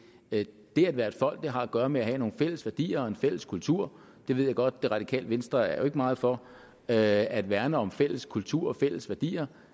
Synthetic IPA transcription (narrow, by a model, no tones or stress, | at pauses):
d̥e̝æd̥ʋæːɐe̝d̥fɒ̽l̰ɡ̥̚d̥e̝ɦɑ̈æɡ̥ɶːɐmeæɦɛ̰no̝ːn̩fel̰əsʋæɐd̥ḭːɐɒ̽e̝nfel̰əskʰult͡sʰuɐ̰ | d̥e̝ʋe̝ð̞̰ˠjɑ̈ɪɡ̥ɒ̽d̥̚ːe̝ʁɑ̈d̥ikʰɛ̰ːləʋensd̥ʁɐæɐjo̝e̝ɡ̥əmɑ̈ːð̞̩ˠfɒ̽ | æd̥ʋæɐnəɒ̽mfel̰əskʰult͡sʰuɐ̰ɒfel̰əsʋæɐd̥ḭːɐ